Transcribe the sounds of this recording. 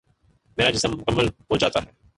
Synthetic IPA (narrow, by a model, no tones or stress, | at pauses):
meːɾad͡ʒɪsəmːʊkəmːəlɦod͡ʒa̰ːt̪aɦɛː